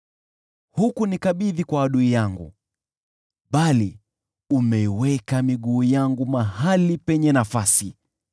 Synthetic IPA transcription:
hukunikaɓiðikwaːɗuijaŋɡṵ | ɓali | umɛiwɛkamiɠuːjaŋɡumaɦalipɛɲɛnafasi

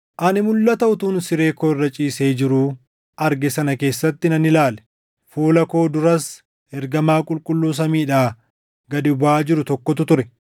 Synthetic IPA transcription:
ʔɐnɪmʊlːɐt̪ɐʊt̪uːnsɪɾe̞ːkoːɪrːɐt͡ʃʼiːse̞ːd͡ʒɪɾuː | ɐɾɡɛsɐnɐke̞ːsːɐt̪ːɪnɐnɪlaːlɛ̥ | fuːlɐko̞ːd̪ʊɾɐs | hɛɾɡɐmaːkʼʊlkʼʊlːuːs̬ɐmiːᶑaː | ɡɐd̪ɪbaːd͡ʒɪɾʊt̪ɔkːɔt̪ʊt̪ʊɾɛ

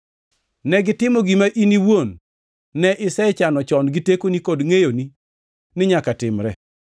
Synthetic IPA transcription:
nɛɡɪtɪmɔɡimaʔiniwonː | ɛʔɪsɛt͡ʃanɔt͡ʃɔnɡitekonikodŋejoni | nɪɲakatɪmɾɛ

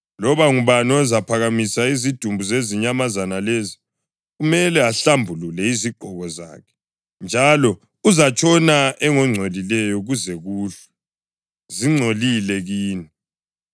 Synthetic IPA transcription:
lɔβaŋuβanɔzapʰaɣamisaizid̥ʱumbʱuzeziɲamazanalezi | ɣumɛlɛaɬambʱululɛiziɡ͡ǃʱɔɣɔza̰ːkʰɛ̥ | nd͡ʒʱalɔ | uzat͡ʃʼʰɔnaʔɛŋɔŋ͡ǀʱolilɛjɔɣuzɛɣuːɬɛ̥ | ziŋ͡ǀʱolilɛɣiːni

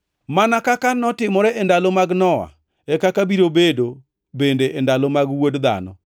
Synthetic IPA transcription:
manakakanɔtɪmɔɾɛʔɛndalomaɡnɔwa̰ | ɛkakabiɾobedo | bendeʔendalomaɡwodd̪a̰nɔ̰

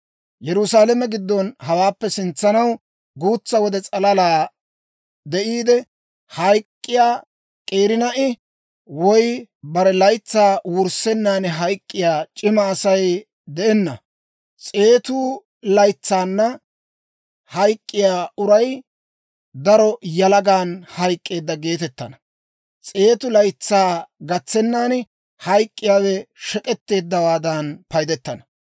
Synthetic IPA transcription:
jɛɾʊsaːlɛmɛɡɪd̪ːɔnhɐwaːpːɛsɪnt͡sːɐnɐw | ɡuːt͡sːɐwɔd̪ɛt͡sʼɐlɐlaː | d̪ɛʔiːd̪ɛ | hɐjkʼːɪjaː | kʼe̞ːɾɪnɐʔɪ | wɔjbɐɾɛlɐjt͡sːaːwʊɾsɛnːaːnɛɦɐjkʼːɪjaːt͡ʃʼɪmɐːsɐj | d̪ɛʔɛnːɐ | t͡sʼe̞ːt̪ʊ | lɐjt͡sːaːnːɐ | hɐjkʼːɪjaːʔʊɾɐj | d̪ɐɾɔjɐlɐɡaːnhɐjkʼːe̞ːd̪ːɐɡe̞ːt̪ɛt̪ːɐnɐ | t͡sʼe̞ːt̪ʊlɐjt͡sːaːɡɐt͡sːɛnːaːn | hɐjkʼːɪjaːwɛʃɛkʼɛt̪ːe̞ːd̪ːɐwaːd̪ɐnpɐjd̪ɛt̪ːɐnɐ

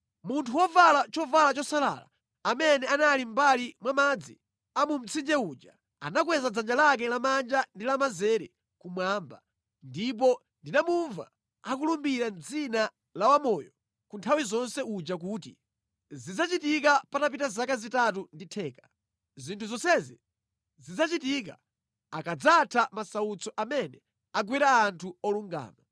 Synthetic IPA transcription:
muntʰuwɔvalat͡ʃɔvalat͡ʃɔsala̰ːla̰ | amɛnɛanalim̩balimwamad͡zḭ | amum̩t͡sʰind͡ʒɛuːd͡ʒa | a̰nak̬wɛzad͡zand͡ʒalak̬ɛlamand͡ʒandilamazɛɾɛ | kumwaːmba̰ | ndip̬ɔ | ndinamuɱva̰ | akulumbiɾand͡zina | lawamɔjɔ | kuntʰawizɔnsɛud͡ʒak̬uːtḭ | zid͡zat͡ʃitikapatapitazakazitat̬unditʰɛːkḁ | zintʰuzɔsɛzi | zid͡zat͡ʃitik̬a | akad͡zatʰamasaut͡sɔʔamɛnɛ | aɡwiɾaːntʰuɔluŋɡa̰ːna

